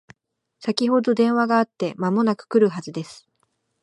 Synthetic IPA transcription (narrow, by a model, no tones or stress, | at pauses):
sakʲiɦo̞d̪o̞d̪ẽ̞ɰ̃βaɡaːt̪ːe̞mamo̞nakɯ̟̥kɯ̟ɾɯ̟ɦazɨd̪e̞sɨ̥